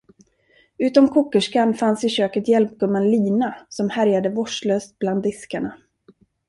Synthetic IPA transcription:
ʉ̟ːt̪ɔmkʰuːkːəʂkanfansɪɕøːkət̪jɛlp̚ɡɵmːənliːnasɔmhæɾjad̪əvɔʂɭøːst̪̚bland̪ːɪskaɳa

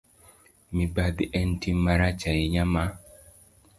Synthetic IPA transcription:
mibad̪iʔɛntimaɾat͡ʃaiɲama

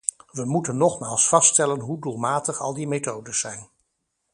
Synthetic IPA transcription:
ʋəmutənːɔχmaːlˠsfɑstɛlənɦuduːlˠmaːtəχɑlˠdimetowdəsɛjn

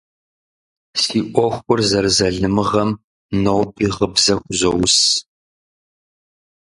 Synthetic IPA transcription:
siːʔʷɔxʷʊrzɐrzɐɮɨmɨʁɐm | nowpʼiːʁəbzɐxʷʊzɐwʊs

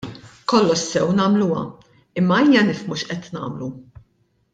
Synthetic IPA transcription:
kɔlːɔʃsɛwnɐːmluwɐ̰ | ɪmːɐiːjɐnɪfmuʃʔɛt̪nɐ̰ːmlu

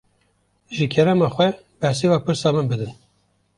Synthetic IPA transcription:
ʒɨkʰɛɾɛmɑːxwɛ | b̥ɛhsiwɑːpɨɾsɑːmɨnbɨd̪ɨn

